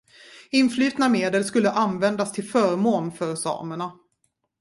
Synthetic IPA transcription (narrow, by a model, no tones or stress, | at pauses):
ɪnflyːt̪nameːd̪əlskɵlːəʔanvɛnd̪ast̪ʰɪlfœːɾmoːnfœɾsɑ̰ːməɳa